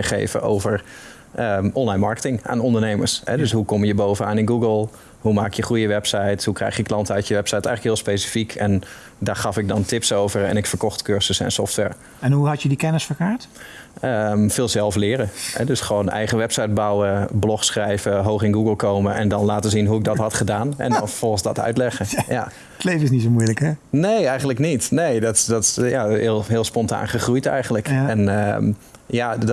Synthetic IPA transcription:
əχḛːvə̰o̰wvəɹ | ʔəɔnlajnmɑɹkə̥tɪŋa̰ːnɔndəɹneːmə̰ɹshɛdøsɦukɔmjəboːvənaːnɪnɡuɡəlˠ | humaːkjəχrujəʋɛpsajthukrɛ̰jxjəklɑntəœɥtjəʋɛpsajtɛ̰jxləkɦɪːlˠspeːsi̥fikʰɛn | daχɑfɪɡ̚dɔntɪpsowvəɹɛ̰nɪkfəɹkɔxtkøɹsəsɛ̰nsɔftʋɛ̰ɹ | ɛnɦuɦɑtjədikɛnəsfəɹkaːɹtəmfɪːlˠsɛlˠflɪːɾəɛ̰døsχʋoːnɛ̰jχəʋɛpsajt̚bawəblɔxsχrɛjvəɦoːxɪnɡuɡəlˠkoːməʔɛ̰ndɔnlaːtəzinɦuɪk̚dɔtɦɑtχədaːnɛ̰ndɔnffɔlˠxənzdɔtʰœ̰ɥtlɛχəja̰ | tlejvəɪs̬nits̬omujləkɛneːɛjɣən̩tləknitnejdɔtdɔtjaɪəlˠɦɪːlˠspɔnta̰ːnχəχrujtɛ̰jɣəntləkɛnmjad

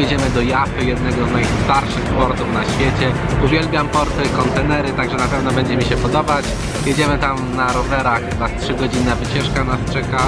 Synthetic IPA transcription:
jɛd͡ʑɛmɘd̪ɔjapɘjɛd̪nɛɡɔznajst̪aɾʂɘxpɔɾt̪ufn̪aɕfʲjet͡ɕɛ | uvʲjɛlbʲjampɔɾt̪ɘkɔnt̪ɛnɛɾɘt̪aɡʐɛnapɛvnɔbɛɲd͡ʑɛmʲiɕɛpɔd̪ɔbat͡ɕ | jɛd͡ʑɛmɘt̪amnaɾɔvɛɾaxbastʂɘɡɔd͡ʑinːavɘt͡ɕɛʂkanast͡ʂɛka

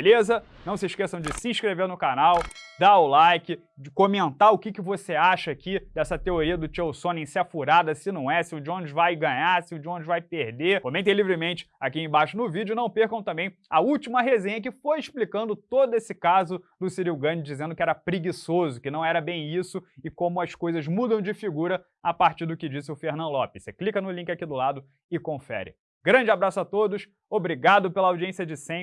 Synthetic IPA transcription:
belezɐ | nɐ̃w̃sɪʃkesɐ̃w̃d͡ʒɪsɪĩʃkɾeveɾnʊkanawd̪aʊlajkɪ | d͡ʒɪkomẽnt̪aɾʊkɪkɪvoseaʃɐakid̪ɛsɐt̪eoɾiɐd̪ʊt͡ʃewsõnẽj̃sɪɐfuɾad̪ɐsɪnɐ̃w̃ɛsɪʊd͡ʒɪõnd͡ʒɪvajɡɐ̃ɲaɾsɪʊd͡ʒɪõnd͡ʒɪvajpehd̪ekõmẽnt̪ej̃livɾɪmẽnt͡ʃɪ̥akiẽj̃baʃʊnʊvid͡ʒʊnɐ̃w̃pehkɐ̃w̃t̪ɐ̃mbẽj̃ɐuwt͡ʃimɐɦezẽɲɐk̬ɪfojeʃplikɐ̃nd̪ʊt̪od̪ʊesɪkazʊd̪ʊsiɾiwɡɐ̃nɪd͡ʒizẽnd̪ʊkɪɛɾɐpɾiɡisozʊkɪnɐ̃w̃ɛɾɐbẽj̃isʊɪkõmʊɐskojzɐzmud̪ɐ̃w̃d͡ʒɪfiɡuɾɐ | apaɾt͡ʃiɾd̪ʊkɪd͡ʒisɪʊfeɦnɐ̃nd̪ʊlɔpɪseklikɐnʊlĩkɪakid̪ʊlad̪ʊ | ɪkõfɛ̰ɾɪ̰ | ɡɾɐ̃d͡ʒɪabɾasʊat̪od̪ʊʃ | obɾiɡad̪ʊpelɐawd͡ʒiẽsiɐd͡ʒɪsẽ

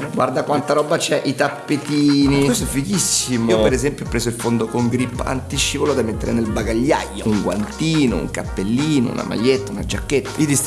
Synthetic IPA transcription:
ɡwa̰rd̪akwant̪aɾɔbːat͡ʃɛʔit̪apːet̪iːniosofikisːimoopeɾɛzɛmpjopɾeːzoilfond̪okoŋɡɾipːa̰nt̪it͡ʃːipolod̪amet̪ːḛɾenelbaɡaʎːa̰jːouŋɡwa̰nt̪iːno̰ṵŋkapːelːiːno̰ṵna̰ma̰ʎːet̪ːaunad͡ʒakːet̪ːḁid̪is

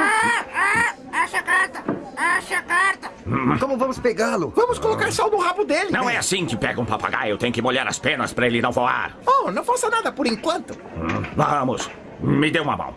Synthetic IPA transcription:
aa | aʃɐkaɾt̪ɐaʃɐkaɾt̪ɐ̃kõmʊvɐ̃mʊspeɡalʊvɐ̃mʊskolokaɾsawd̪ʊhavʊd̪elɪnɐ̃w̃ɛasĩkɪpɛɡɐũpapa̰ɡa̰ewt̪ẽɲʊkɪmoʎaɾɐ̰spẽnɐspɾɐelɪnɐ̃w̃voa̰ɾonɐ̃w̃fasɐnad̪ɐpoɾẽŋkwɐ̃nt̪ʊ | vɐ̃mʊs | mɪd̪ewũmɐ̰mɐ̰̃w̃

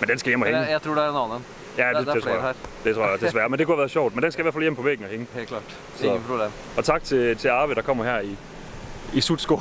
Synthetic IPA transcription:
mend̥ensɡ̥æjem̰ɒheŋətʰuːdnɑnən | jæd̥e̥eʁo̰ɐ̰d̥etʰʁo̰ɐɐjsd̥esʋæɐmend̥ekʰuhæʋæːɐɕɒʊ̰d̥mend̥ensɡ̥æɪʋæɐfæljem̰pʰɒ̽ʋeɡ̥̚n̩ɒheŋəhlɑ̥ː | sɒ̽ | ɒ̽t͡sʰɑ̈ɡ̥̚t͡sʰe̝t͡sʰe̝ɑ̈ːbəd̥ɑ̈kʰɒ̽m̰ɐhæɐ̰i | isud̥sɡ̥o

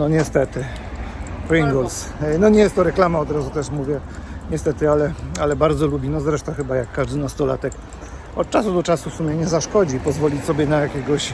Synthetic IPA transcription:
nɔɲɛst̪ɛt̪ɘ | pɾiŋɡɔls | nɔɲɛjɛst̪ːɔɾɛklamaɔd̪ɾazut̪ɛʂmuvʲjɛɲɛst̪ɛt̪ɘalɛalɛbaɾd̪zɔlubʲinɔzɾɛʂt̪ɔ̃xɘbajakːaʐd̪ɘnast̪ɔla̰t̪ɛk | ɔt̪̚t͡ʂasud̪ɔt͡ʂasufsumʲjɛɲɛzaʂkɔd͡ʑipɔzvɔlʲisɔbʲjɛnajakʲɛɡɔɕ

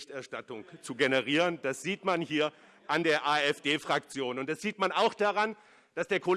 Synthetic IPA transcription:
çtʔɛɐʃtatʊŋt͡suɡenəʁiːʁənd̥asz̥iːtmanhiːɐ | ʔandeːɐʔaːɛfd̥eːfʁ̥ak̚t͡sjoːnʊnt̚d̥asz̥iːtmanaʊxd̥aʁan | d̥asd̥eːɐkʰol

